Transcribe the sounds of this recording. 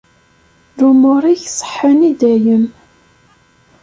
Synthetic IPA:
ɾumʊɾˤiçsˤə̥ħːənid̪æjəm

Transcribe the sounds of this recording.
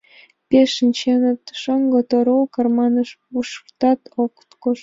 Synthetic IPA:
pʲeʃɨnt͡ɕenət̪ʃoŋɡot̪oɾokɑrmɑnɤʃ | uʃrt̪ɑt̪okt̪koʃ

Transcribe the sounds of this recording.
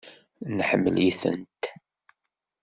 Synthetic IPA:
nħəmːəliθə̰nt̪

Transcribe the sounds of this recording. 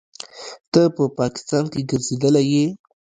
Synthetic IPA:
t̪əpəpɑkɪ̥st̪ɑnkeɡəɾzed̪əlaje

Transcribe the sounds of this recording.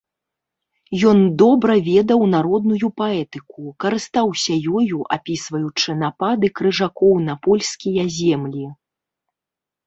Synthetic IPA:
jɔnd̪ɔbɾɐvʲɛd̪ɐwnaɾɔd̪nujupaɛt̪ɨkukɐɾɨst̪awsʲɐjɔjuʔapʲisvɐjut͡ʂɨnapad̪ɨkɾɨʐakɔwnɐpɔlʲskʲijɐzʲɛmlʲi

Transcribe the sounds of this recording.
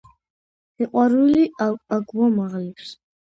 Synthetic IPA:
iqʼaɾuliaɡwɔmaʁlipʰs

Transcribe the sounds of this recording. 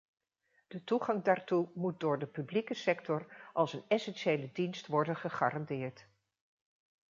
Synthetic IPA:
d̥ətuχɑŋdaːɹtumut̚dʊːɹdəpyblikəsɛktɔrʔɑlˠsənɛsɛnʃejlədinstʋɔɹdənχəχa̰ːrɑndɪːɹt

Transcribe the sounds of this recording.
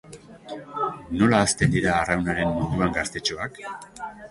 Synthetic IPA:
no̞laːst̪e̞nd̪iɾaːrawnaɾe̞nmund̪uaŋɡast̪e̞t͡ʃo̞ak

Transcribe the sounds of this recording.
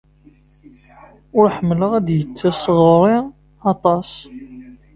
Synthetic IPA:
ʊɾħəmːləʁæd̪jət͡sːæsːəʁɾˤi | ɑt̪ˤɑs

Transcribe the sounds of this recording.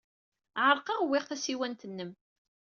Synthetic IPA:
ʕəɾˤqɑʁwːɪʁθæsiwænt̪ənːəm

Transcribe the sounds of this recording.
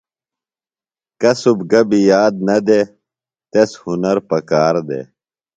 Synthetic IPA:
kɐsubɡɐbijaːd̪̚nɐd̪eː | t̪eshunɐɾpɐkaːɾd̪ḛː

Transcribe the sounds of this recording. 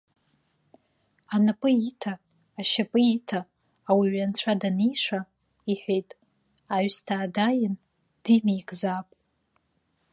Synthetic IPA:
anapʼɨitʰaː | ʃapʼɨitʰaː | wiɥant͡ɕʷʰadanijʂa | iħʷejtʼ | aɥstʰaːdajɪn | d̥imejkʼzapʼ

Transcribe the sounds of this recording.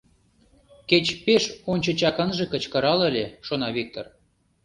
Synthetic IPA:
ket͡ɕpeʃonʲt͡ɕə̆t͡ɕɑkənʒĕkə̆t͡ɕkə̆ɾɑləlʲeʃonɑβik̚t̪or

